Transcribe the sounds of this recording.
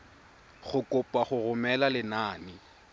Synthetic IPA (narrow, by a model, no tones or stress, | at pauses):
χʊkʼʊpʼaχʊrʊmɛlalɪnaːnɪ